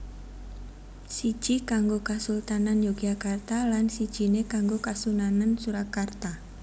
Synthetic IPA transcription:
sid̥ʒ̥ikaŋɡokasult̪ananjoɡ̥iakart̪alansid̥ʒ̥i̤nekaŋɡokasunanansuɾakart̪a

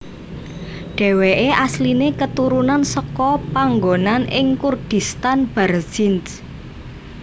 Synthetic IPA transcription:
ɖ̥ɛ̤weʔeʔaslinekət̪uɾunansɔkɔpaŋɡonanɪŋkurd̪̥i̤st̪anb̥arsins

